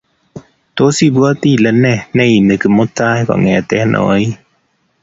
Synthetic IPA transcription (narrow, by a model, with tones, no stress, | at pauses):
t̪o˦si˦˨bu˦ɔ˦t̪i˦˨lə˧˦nɛ˦˨nɛ˦i˨ne˨kɯ˨mo˦ta˦jkɔ̰˨ŋɛ˨t̪ɛ˦nʔɔ̰˨˦i˦